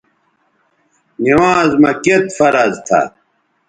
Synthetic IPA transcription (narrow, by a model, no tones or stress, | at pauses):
niwãːzmɐket̪fɐɾɐzt̪ʰa̰